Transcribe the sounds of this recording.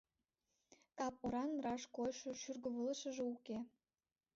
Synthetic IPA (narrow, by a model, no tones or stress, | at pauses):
kɑp̚oɾɑnrɑʃkojʃŏʃyrɣə̆βələ̆ʃə̆ʒĕuke